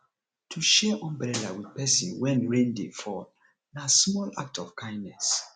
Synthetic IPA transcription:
tʰuʃɛʔɔ̃mbɾɛlawidpɛsḭ̃nwɛ̃nɹẽndefɔl | nasmɔla̰k̚tɔv̥kʰãɪ̃ndnɛs

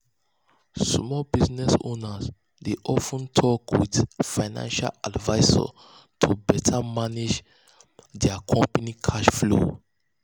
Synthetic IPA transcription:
smɔbiznɛsonas | deʔɔfə̃ntʰɔkwidfaɪnã̰nʃa̰ladvaɪsɔ̰ | tʰubɛtʰamaned͡ʒ | dɛakʰɔ̃mpanikʰaʃflo̰

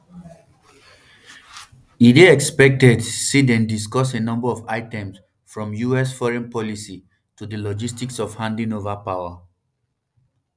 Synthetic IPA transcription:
ideɛkspɛk̚tɛdsidɛ̃ndiskɔs̬enʌ̃mbəɔvaɪtɛ̃ms | fɹɔ̃mjuɛsfɔɹɛ̃npɔlisi | tudəlɔd͡ʒistiksɔv̥hãndĩŋovapaʊə

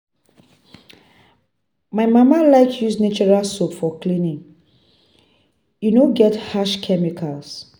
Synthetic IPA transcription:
majmamalaɪkʰjusnet͡ʃɔɹalsopfɔklĩnĩŋ | junoɡɛthaʃkʰɛmikʰals

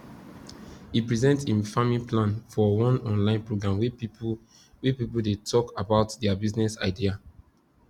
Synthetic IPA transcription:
ipɹizɛ̃ntsĩnfamĩplãnfɔwɔ̃nɔ̃nlãɪ̃npɹoɡɹãmwi | wipipuldetʰɔkabaʊtdɛabiznɛsa̰ɪdia

